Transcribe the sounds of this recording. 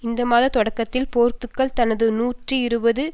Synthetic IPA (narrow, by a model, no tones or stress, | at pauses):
ɪnd̪ɐmaːðɐt̪ɔɽɐkːɐt̪ːɪlpoːɾt̪ɯkːɐɭt̪ɐnɐðɯnuːʈriɪɾɯbɐðɯ